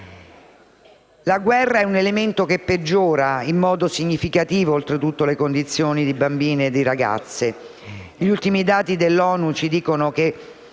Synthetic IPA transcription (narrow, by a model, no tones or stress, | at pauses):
laɡwɛrːaɛunelement̪okepːed͡ʒːoːɾaimːɔːd̪osiɲːifikat̪iːvoːlt̪ɾet̪ut̪ːolekond̪it̪sːjoːnid̪ibambiːneːd̪ːiɾaɡa̰t̪sːe | ʎult̪imid̪aːt̪id̪elːɔːnut͡ʃid̪iːkonoke